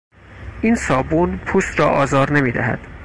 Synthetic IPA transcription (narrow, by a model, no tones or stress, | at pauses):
ʔiːnsɒːbuːnpʰuːst̪ɾɒːʔɒːzɒːɾnemiːd̪æ̰ɦæ̰d̪̥